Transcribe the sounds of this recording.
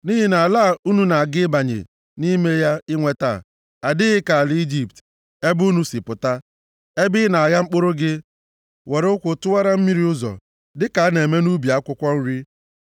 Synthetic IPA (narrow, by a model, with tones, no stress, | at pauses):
ni˦ɦi˦na˨la˦˨u˦nu˦na˨a˨ɡɪ˦ba˨ɲḛ˨ | ni˦me˦ja˦ɪ˦ŋʷe˦ta̰˨ | a˨dɪ˦ɣɪ˦ka˨a˨li˦d͡ʒi˦p̚t | e˦bu˦nu˦si˨pʊ˨ta˦ | e˦bɪ˦na˨ɣa˦ŋ͡m̩˦k͡po˦ɾo˦ɡɪ˦ | we˨ɾkʷʊ˨tʊ˦wa˦ɾa˦m̩˦mi˦ɾi˦ʊ˦zɔ̰˨ | dɪ˦ka˨a˦ne˨me˦nu˦bi˨a˦kʷʊ˦kʷɔ˦n̩˦ɾi˦